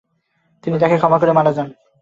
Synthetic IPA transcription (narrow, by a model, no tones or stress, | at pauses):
t̪init̪akekʰɔmak̬oɾemaɽad͡ʑan